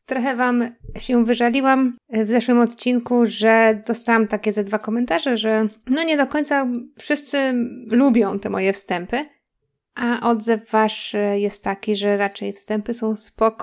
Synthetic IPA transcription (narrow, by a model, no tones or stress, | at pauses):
t̪ɾɔxɛvamɕɛvɘʐalʲiwamvzɛʂwɘmɔt̪t͡ɕinkuʐɛd̪ɔst̪awamt̪akʲɛzad̪vakɔmɛnt̪aʐɛʐɛnɔɲɛd̪ɔkɔɲʲt̪safʂɘst̪sɘlubʲjɔ̃w̃t̪ɛmɔ̰jɛfst̪ɛmpɘ | ʔaʔɔd̪zɛvːaʂjɛst̪ːakʲiʐɛɾat͡ʂɛjfst̪ɛmpɘsɔ̃w̃spɔkɔ̥